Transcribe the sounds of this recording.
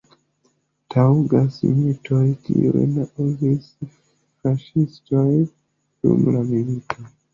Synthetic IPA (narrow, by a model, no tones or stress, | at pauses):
tʰauɡasḭmitʰojkḭḛnaʔuzis | faʃistoj | sṵmlamiɾikʰo